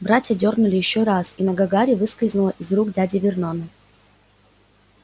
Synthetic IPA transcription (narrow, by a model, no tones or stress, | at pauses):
bɾatʲjədʲo̞rnʊlʲɪjɪɕːoɾasinɐɡɐɡaɾʲɪvɨskɾʲɪznʊlˠəʔizruɡdʲadʲɪvʲɪrnonɨ